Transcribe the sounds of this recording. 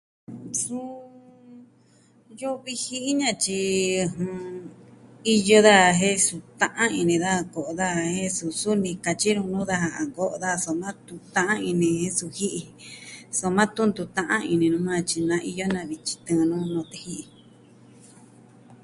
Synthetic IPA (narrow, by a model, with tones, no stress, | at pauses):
sũ˦ | jo˦βi˧hi˦ʔi˦ɲã˧t͡ʃi˧hũ˧ | i˧jo˧ða˦˨˧ɦẽ˦su˧t̪ã˧ʔã˦i˧nĩ˧ða˦a˧ko˨ʔo˧ða˦˨he˦su˧su˦nĩ˧ka˧t͡ʃi˦ɾũ˧nũ˦ða˦ɦa˨a˨ko˦ʔo˧ða˦˧so˧mã˦t̪u˧t̪ã˧ʔã˦ĩ˧nĩ˧hẽ˦su˧hi˦ʔi˧so˧mã˦t̪ũ˦nd̪u˧t̪ã˧ʔã̰˦ĩ˧nĩ˧nũ˧mã˦˧t͡ʃi˧nã˧ʔi˧jo˦nã˧βi˧t͡ʃi̥˧t̪ɨ̃˧nũ˦nõ˧t̪e˧hi˦ʔi˧